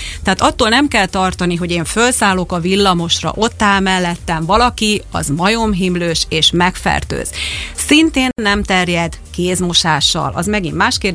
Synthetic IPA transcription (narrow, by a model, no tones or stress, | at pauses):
t̪ɛɦaːt̪ɒt̪ːoːlnɛmkɛlt̪ɒrt̪ɒniɦo̞ɟeːɱfølsaːlo̞kɒvilːɒmo̞ʃrɒ̰ʔo̞t̪ːaːlmɛlːɛt̪ːɛɱvɒlɒkiɒ̰zmɒjo̞mɦimløːʃeːʃmɛkfɛ̰rt̪ø̰ːz̥sint̪eːnːɛmt̪ɛrjɛd̪ | keːzmo̞ʃaːʃːɒ̰lʔɒ̰zmɛɡimːaːʃkeːr